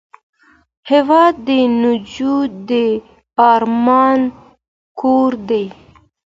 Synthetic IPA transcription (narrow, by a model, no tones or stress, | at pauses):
hevɑd̪ːənʊd͡ʒud̪e | ɑɾmɑn | kʰoɾd̪aj